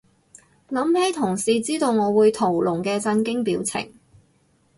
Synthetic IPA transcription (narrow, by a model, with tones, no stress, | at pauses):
lɐ˨˥mhɛː˨˥t̪ʰʊ˨˩ŋsiː˧t͡siː˥t̪o˧wŋɔː˨˧wuː˨˧jt̪ʰo˨˩wlʊ˨˩ŋkɛː˧t͡sɐ˧nkɪ˥ŋpiː˨˥wt͡sʰɪ̰˨˩ŋ